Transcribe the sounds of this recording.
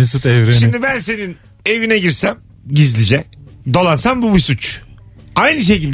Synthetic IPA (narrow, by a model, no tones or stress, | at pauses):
isut̪ɛvɾeʃimd̪ibænse̞nin | e̞vinɛɟiɾsæm | ɟizlʲid͡ʒɛd̪olˠansanbumisut͡ʃ | ajnɯʃ̬e̞cilʲd̪